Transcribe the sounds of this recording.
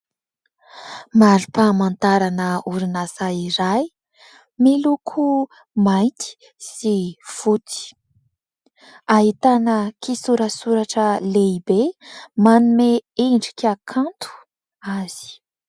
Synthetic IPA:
maɾupamant̪aɾanəuɾinazaiɾaj | milukʰu | majnt̪i̥ | siv̥ut̪i̥ | aɦit̪anəkisuɾəsuɾaʈ͡ʂəleibemanumeeɳɖ͡ʐikʲakʰant̪ʰu̥ | az̥i̥

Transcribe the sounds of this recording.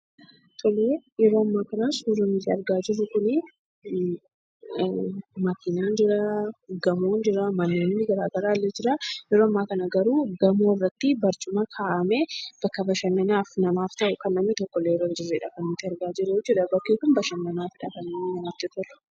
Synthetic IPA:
t̪ʰɔleːjɛɾoːɐmːaːkɐnasuːɾɐnɪt̪ːɪɐɾɡaːd͡ʒɪrːʊkʊnɪ | mɐkɪnaːnd͡ʒɪɾaɡɐmoːnd͡ʒɪɾɐmɐnːeːnːɪɡɐɾaːɡɐɾaːlːed͡ʒɪɾajɛɾoːɐmːaːkɐnɐɡɐɾuːɡɐmoːrɐt̪ːɪbɐɾt͡ʃʊmɐkʰaːʔɐmeb̥ɐkːɐbɐʃɐnːɐnaːfnɐmaːft̪ɐʔʊkɐnːɐmnɪt̪ɔkːɔlːeːjɛɾoːd͡ʒɪrːeːᶑɐkɐnɪt̪ːɪɐɾɡaːd͡ʒɪɾed͡ʒɛᶑɐbɐkːekʊnbɐʃɐnːɐnaːfɪᶑɐkɐnːɐmɪnɐmaːft̪ɪt̪ɔlɛ̥

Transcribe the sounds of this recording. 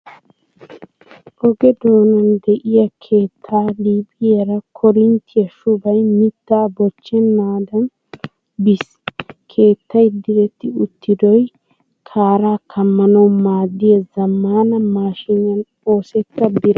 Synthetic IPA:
ʔɔɡɛd̪o̞ːnɐnd̪ɛʔɪjɐkʰe̞ːt̪ʰːaːliːbɪjɛɾɐkʰɔɾɪnt̪ʰɪjɐʃʊbɐjmɪt̪ːaːbɔt͡ʃːɛnːaːd̪ɐn | bɪs | kʰe̞ːt̪ːɐjd̪ɪɾɛt̪ːɪʊt̪ːɪd̪ɔj | kʰaːɾaːkʰɐmːɐnɐwmaːd̪ːɪjɐzɐmːaːnɐmaːʃɪɲːɐn | o̞ːsɛt̪ːɐbɪɾɐ

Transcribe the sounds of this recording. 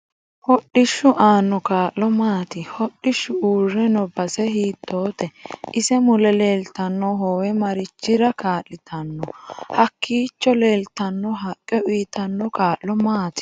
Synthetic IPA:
hɔɗːɪʃːʊʔaːnːɔkaːʔːɔmaːt̪ɪhɔɗːɪʃːʊuːrːɛnɔbɐsɛɦiːt̪ʰːo̞ːt̪ɛɪsɛmʊlɛle̞ːlt̪ɐnːɔɦɔwɛmɐɾɪt͡ʃːɪɾɐkaːlːɪt̪ʰɐnːɔhɐkʰːiːt͡ʃːɔle̞ːlt̪ɐnːɔɦɐkʼːɛʔiːt̪ɐnːɔkaːʔɔmaːt̪ɪ̥

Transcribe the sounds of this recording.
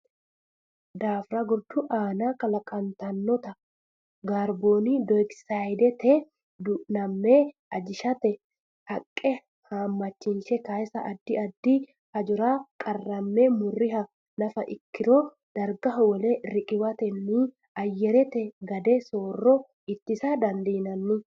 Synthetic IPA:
d̪aːfɾɐɡɔɾd̪ʊʔaːnaːkɐlɐkʼɐnt̪ɐnːɔt̪ɐ | ɡaːɾboːniːd̪ɔjksajd̪ɛt̪ɛ | d̪ʊnɐmːeː | ɐd͡ʒɪʃɐt̪ɛ | hɐkʼːɛ | haːmːɐt͡ʃːɪnʃɛkaːjsɐʔɐd̪ːɪɐd̪ːiː | hɐd͡ʒʊɾaːkʼɐrːɐmːemʊrːɪɦɐ | nɐfɐ̰ʔɪkːɪɾɔ | d̪̥ɐɾɡɐɦɔwɔleɾɪkʼɪwɐt̪ɛnːiː | ɐjːɛɾɛt̪ɛɡɐd̪ɛsoːrːɔ | ɪt̪ːɪsad̪ɐnd̪iːnɐnːɪ

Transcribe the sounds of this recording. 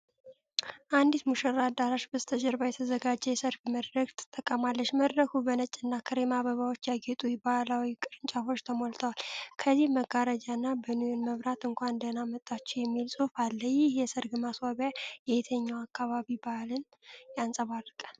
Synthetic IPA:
ʔand̪it̪muʃəɾad̪aɾaʃbɨst̪ʰəd͡ʒɛɾbajɛt̪ʰəzəɡad͡ʒːɛjɛsəɾfiməd̪ɾəɡt̪ʰɨ̥t̪ʼːəkʼːəmalːəʃməd̪ɾəkʰubənət͡ʃʼːɨnːakʰəɾemaβəβawot͡ʃːjaɡet̪ʼujbalawikʼɨɾɨnt͡ʃʼafo̞t͡ʃːt̪ʰəmolt̪ʰəwalkʰəzihməɡaɾəd͡ʒanːabənujonməβɾat̪ɨŋkʷand̪ənamət̪ʼːat͡ʃːɛwjɛmːilsʼofalːəjɪhjɛsəɾɡɨmaswaβjajɛjt̪ʰəɲːawakʰːaβaβibalɨn | jansʼəβarːkʼə̥

